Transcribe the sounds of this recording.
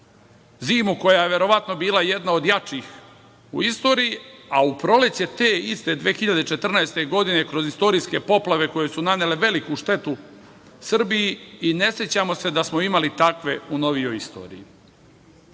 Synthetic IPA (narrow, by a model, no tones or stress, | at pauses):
ziːmuko̞jaje̞ʋe̞ɾo̞ʋat̪no̞biːlˠaje̞d̪nao̞d̪jat͡ʃix | ṵist̪o̞ːɾijiaupɾo̞lesje̞t̪eːist̪e̞d̪ʋeːxiʎad̪et͡ʃe̞t̪r̩naest̪e̞ɡo̞d̪ine̞kɾo̞zist̪o̞ɾiːske̞po̞plˠaʋe̞ko̞jesunanele̞ʋe̞likuʃt̪e̞t̪u | sr̩bijiine̞sjet͡ɕamo̞se̞d̪asmo̞imalit̪akʋe̞uno̞ʋijo̞jist̪o̞̰ːɾḭji